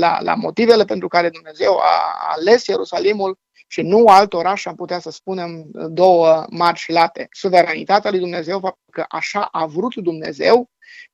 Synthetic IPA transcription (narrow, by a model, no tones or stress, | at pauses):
la̰la̰mo̞t̪ive̞le̞pe̞nt̪ɾukaɾe̞d̪umne̞ze̞wa̰ːle̞sje̞ɾusalimul | ʃinualt̪o̞ɾaʃamput̪easəspune̞md̪o̞wəmart͡ʃilat̪e̞suve̞ɾanit̪at̪ealujd̪umne̞ze̞wfap̚t̪ulkəʔaʃaʔavɾut̪d̪umne̞̰ze̞w